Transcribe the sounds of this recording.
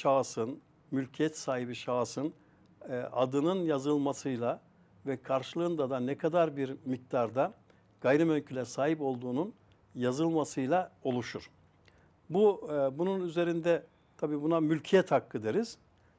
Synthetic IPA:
ʃasɯn | mylʲcʰijɛt̪saːɦibiʃasɯn | ʔad̪ɯnɯnjazɯlˠmasɯjlˠa | vɛkʰaɾʃɯlˠɯːnd̪ad̪anɛkʰad̪aɾbiɾmik̚t̪aɾd̪a | ɡ̥ajɾɯmøɲcʰylʲɛsaːɦipo̞lˠd̪uːnun | jazɯlˠmasɯjlˠao̞lˠuʃuɾ̥ | bubununyze̞ɾind̪ɛ | t̪ʰabiːbunamylʲcʰijɛt̪hakːɯd̪eɾiz̥

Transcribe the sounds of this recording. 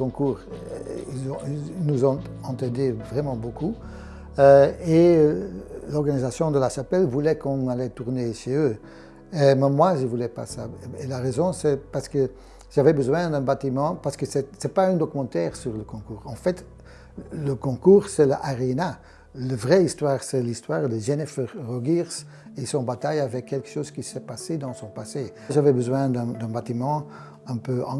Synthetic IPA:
kɔ̃kuːʁizɔ̃nuzɔ̃ɑ̃t̪ɑ̃d̪evʁɛmɑ̃boku | øe | lɔʁɡanizasjɔ̃d̪əlaʃapɛlvulɛkɔ̃nalɛt̪uʁneʃeøː | emɛmwaʒəvulɛpa̰saḛlaʁezɔ̃sɛpaʁsə̥kə | ʒ̥avɛbəzwɛ̃d̪ɛ̃bat̪imɑ̃paʁsə̥kəsɛsɛpaɛ̃d̪ɔkymɑ̃t̪ɛːʁsyʁləkɔ̃kuːʁɑ̃fɛt̪ | ləkɔ̃kuːʁsɛləʔaʁena | ləvʁɛist̪waːʁsɛlist̪waːʁd̪əʒenɛfəʁːɔɡiʁs | esɔ̃bat̪ajavɛkʰːɛlkə̥ʃoːzkʲisɛpased̪ɑ̃sɔ̃pase | ʒavɛbəzwɛ̃d̪ɛ̃d̪ɛ̃bat̪imɑ̃ | ɛ̃pøɑ̰̃

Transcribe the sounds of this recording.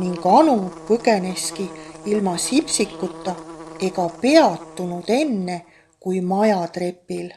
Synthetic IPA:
niŋɡ̥ɑnupɤɡene̞skiilmɑsipsikˑːut̪ːˑɑe̞ɡ̥ɑpe̞ɑt̪ːunud̪̥e̞nːe̞ | kujmɑjɑt̪re̞pːil

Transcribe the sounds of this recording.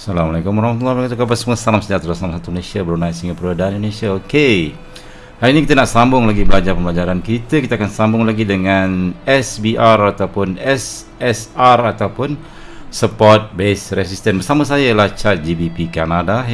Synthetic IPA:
salamalakumwaɾahmat̪ulːahmkat̪ukapasəmuəsalamsəɲat̪ɾalasalamasat̪uməlesiabəɾunajsəɦiŋɡapəɾadaanidolesiaoke | haɾinikit̪ənaʔsambʊŋlaɡibəlad͡ʒarpəmbəlad͡ʒaɾankit̪əkit̪akansambʊŋlaɡidəŋanɛsbiʔarat̪awpʊnɛs | ɛsarat̪awpʊn | səpɔrt̪̚besresist̪ənbərsamas̬ajajalaht͡ʃat̪̚d͡ʒibipikanada

